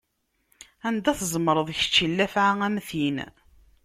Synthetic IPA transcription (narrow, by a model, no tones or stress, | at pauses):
ænd̪æθzˤmɾˤəðˤçə̥t͡ʃːilːæfʕaæmθin